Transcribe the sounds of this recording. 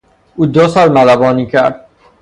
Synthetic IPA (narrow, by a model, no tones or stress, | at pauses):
uːd̪osɒːlmælæbɒːniːkʰæɾd̪̚